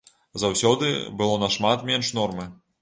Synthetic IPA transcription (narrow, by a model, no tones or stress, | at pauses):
zawsʲɔd̪ɨ̰bɨlˠɔnɐʂmat̪mʲɛnʂnɔrmɨ